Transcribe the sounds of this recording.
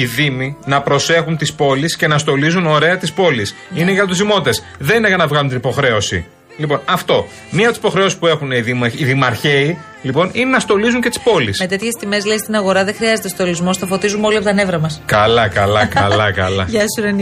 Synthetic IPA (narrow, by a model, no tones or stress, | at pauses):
iðiminɐpɾo̞se̞xunt̪ispo̞lisce̞nɐst̪o̞lizuno̞ɾe̞ɐt̪ispo̞lisineʝɐt̪ot̪uzðimo̞t̪it̪es | ðe̞nineɣɐnɐvɣɐlunt̪inipo̞xɾe̞o̞sḭ | lipo̞nɐft̪o̞ | miɐpot̪isipo̞xɾeo̞si̥spue̞xuneðimɐiðimɐɾçe̞i | lipo̞nine̞nɐst̪o̞lizuɲce̞t̪i̥spo̞lisme̞t̪e̞t̪çe̞st̪ime̞zlest̪inɐɣo̞ɾɐðexɾiɐzet̪est̪olizmo̞sθɐfo̞t̪izumeo̞liɐpot̪ne̞vɾɐmɐskɐlɐkɐlɐkɐlɐkɐ̰lɐ̰ʝɐsuɾen